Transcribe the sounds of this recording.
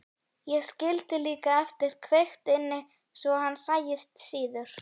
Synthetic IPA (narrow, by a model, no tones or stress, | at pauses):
jɛɣscɪlt̪ɪliːkaɛft̪ɪɾ̥kʰvext̪ɪnːɪ | svɔhanːsaːjɪst̪siːðʏɾ̥